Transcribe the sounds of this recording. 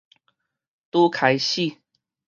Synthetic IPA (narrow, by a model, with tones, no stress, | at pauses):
t̪u˦kʰa˨˦jɕi˥˨